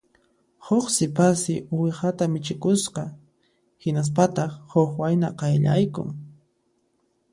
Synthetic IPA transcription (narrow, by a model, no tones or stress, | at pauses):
hoχsɪpasɪʊwɪhat̪amɪt͡ʃɪkʊsqɑ | hɪnas̬pat̪ɑχhoxwajnaqɑjʎa̰jkʊ̰ŋ